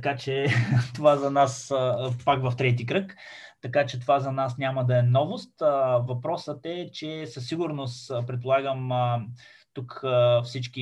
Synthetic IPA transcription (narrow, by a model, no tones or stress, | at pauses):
t̪ɐkat͡ʃɛt̪ovazɐnaspakvɐft̪ɾɛt̪̬ikɾəkt̪ɐkat͡ʃɛt̪ovazɐnasnʲamɐd̪ɐɛnɔvʊst̪vɐpɾɔsət̪ɛt͡ʃɛsəsːiɡʊɾnospɾɛt̪̚p̬lˠaɡəm | t̪ukfsit͡ʃk̟i